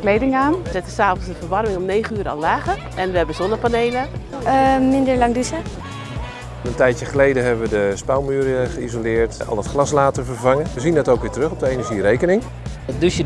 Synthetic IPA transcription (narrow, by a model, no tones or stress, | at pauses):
klejdɪŋaːnəzɛtəsaːvənsənfəɹʋɑrmɪŋɔmnejχənyːɾəa̰llaːχə | ɛnʋəɦɛbəzɔndəpaneːlə | əmɪndəɹlɑŋdisə | əntɛjtjəχəlejdəɦɛbəʋədəspalˠmyːɾəχəizolɪːɹtɑ̰lˠətχlɑslaːtəɹvərvaŋəʋəzindɛtowkʋɪːtərɵχɔb̚dəejnəɹʒirejkənɪŋ | dutjə